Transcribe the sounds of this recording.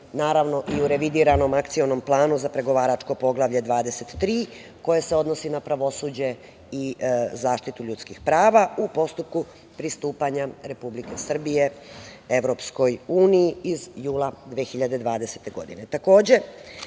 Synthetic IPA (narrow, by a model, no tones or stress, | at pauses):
naːɾaʋno̞ʔiuɾe̞ʋid̪iːɾano̞makt̪sio̞nomplˠaːnuzapɾe̞ɡo̞ʋaːɾat͡ʂko̞po̞ɡlˠaʋʎe̞d̪ʋaːd̪ese̞t̪ːɾiːko̞je̞se̞o̞d̪nosinapɾaʋo̞sud͡ʑe̞ | izaːʃt̪it̪uʎut̪skixpɾaːʋaupo̞st̪up̚ku | pɾist̪uːpaɲaɾe̞publike̞sr̩bije̞eʋɾo̞ːpsko̞juːnijiizjuːlˠad̪ʋexiʎad̪e̞d̪ʋaːd̪ese̞̥t̪e̞ɡo̞̰d̪ḭne̞t̪ako̞ːd͡ʑe̞